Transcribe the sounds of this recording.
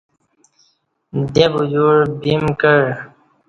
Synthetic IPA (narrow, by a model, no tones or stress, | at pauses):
d̪ebujuɾbimkəɻ